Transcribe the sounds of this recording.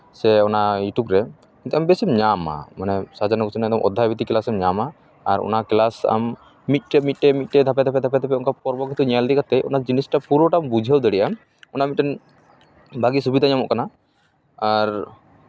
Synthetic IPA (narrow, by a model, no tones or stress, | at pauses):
sɛɔnajuʈubɾɛ | kint̪uʔambesɛmɲama̰manɛsad͡ʒanɔkɔt͡ʃʰɔnaɛd̪ɔmʔɔd̪ʱːabit̪iklasɛmɲama | aɾɔ̰naklasa̰mː | it̪̚ˀʈɛmit̪̚ˀʈɛmit̪̚ʈɛd̪ʱapɛd̪apɛd̪ʱapɛt̪ɛpɛɔ̃nkapɔɾbɔɡit̪uɲaald̪ikat̪ɛʔɔ̰nad͡ʒinisʈapuɾɔʈambud͡ʒʱiəwd̪ɛɽɛʔa | ɔnamit̪̚ʈɛn | bʱaɡisubid̪ʱaɲamɔʔkana | aɾ